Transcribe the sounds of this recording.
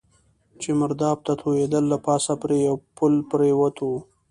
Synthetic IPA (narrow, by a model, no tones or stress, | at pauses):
t͡ʃemaɾd̪ɑːb̚t̪at̪ʰojed̪əlːapɑːsapɾejawpʊlpɾewət̪ʰo